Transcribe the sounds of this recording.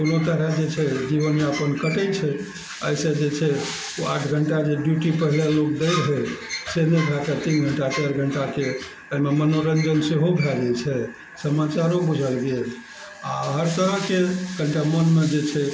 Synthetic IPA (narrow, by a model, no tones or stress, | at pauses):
konot̪əɾəd͡ʒet͡ʃʰɛd͡ʒiʋənmeəpənkəʈət͡ʃʰɛ | əjsə̃d͡ʒet͡ʃʰɛ | oa̰ʈʰɡʱəɳʈad͡ʒeɖjuʈipəɦiljalok̚d̪əjɾɦəseneɡʱat̪at̪inɡʱəɳʈat͡ʃəɾɡʱəɳʈake | əimemənoɾənd͡ʒənseɦobʱɛlɛt͡ʃʰɛ | səmat͡ʃaɾobud͡ʒʱəlɡel | aɦəɾsəɦəkeɡʱəɳʈamənmed͡ʒet͡ʃʰɛ